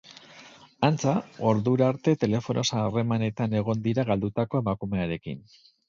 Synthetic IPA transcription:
ant͡sao̞ɾðuɾaɾt̪e̞t̪e̞le̞fo̞nʔo̞saːre̞mane̞t̪ane̞ɣ̞o̞nd̪iɾaɣald̪ut̪ako̞e̞makume̞aɾe̞kḭn

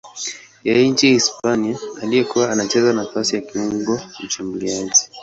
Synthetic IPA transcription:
jɛjɛɲ̩t͡ʃihispaniaːlijɛkuwaːnat͡ʃɛzanafasijakiuŋɡɔut͡ʃumuliaʄi

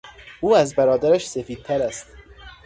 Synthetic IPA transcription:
ʔuːæzbæɾɒːd̪æɾæʃsefiːd̪̚t̪ʰæɾæst̪

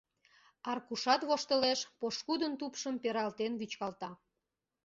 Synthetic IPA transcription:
ɑrkuʃɑt̪βoʃt̪əleʃpoʃkud̪ənt̪upʃəmpeɾɑlt̪enβyt͡ɕkɑlt̪ɑ

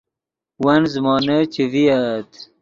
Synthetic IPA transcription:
wɐnzmɑːnət͡ɕeviat̪

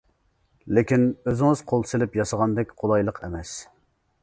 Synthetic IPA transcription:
lɪkʲinøzɪŋɨz̥qʰolˠsɪlɪpjɑsəʁɑnd̪ɛkʲqʰolˠɑjlˠəqʰɛ̰mɛs

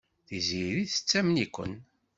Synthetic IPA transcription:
θiziɾiθə̥t͡sːæmnikʷə̰n

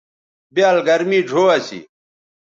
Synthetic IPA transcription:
bjaːlɡɐɾmiːd͡ʑʱoːɐsḭ

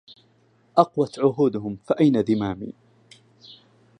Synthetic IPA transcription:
ʔɑqwat̪ʕʊɦuːd̪ʊɦʊmfaʔajnad̪ɪmaːmḭː

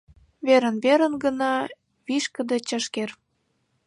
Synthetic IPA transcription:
βeɾə̆nβeɾə̆nɡə̆nɑ | βiʃkə̆d̪ə̆t͡ɕəʃker

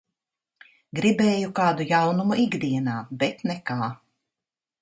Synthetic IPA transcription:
ɡɾibɛːjukaːd̪ujawnumuʔiɡd̪iɛnaːbɛt̪nɛkaː

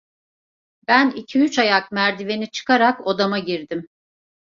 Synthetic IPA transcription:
bænicʰiyt͡ʃajakmæɾd̪ive̞nit͡ʃʰɯ̥kʰaɾakod̪amaɟiɾd̪im

